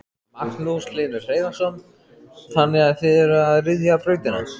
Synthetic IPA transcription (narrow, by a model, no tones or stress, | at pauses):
maknuslɪːnʏfreːjðansɔn | θanːɪɣaðθɛɾaðrɪðjapɾœːɥt̪ɪna̰ns